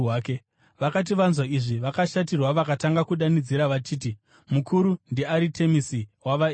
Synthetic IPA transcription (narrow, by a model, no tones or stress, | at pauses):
aːke | ʋakat̬iʋanzwaiʐiʋakaʃatirwaʋakataŋɡakuɗanid͡ziɾaʋat͡ʃiːt̬i | mukʰuɾundeaɾitʰe̞misiwaʋa